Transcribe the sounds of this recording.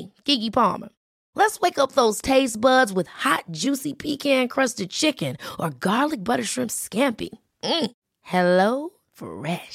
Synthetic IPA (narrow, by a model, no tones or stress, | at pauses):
ɡ̥ɪɡipʰɑ̰ɹmə̰˞ | lətsweɪkʌp̚ðoʊz̥tʰeɪsb̥ʌdzwɨð̥hɑt̚d̥ʒ̥ʉsipʰikʰæ̃nkʰɹ̥ʌstɨd̚t͡ʃʰɪkɨ̃nʔə˞ɡɑɹlˠɨk̚b̥ʌɾə˞ʃɹ̥ɪ̃mpskæ̃mpḭ | m̩ | hɛloʊ | fə̰ɹɛʃ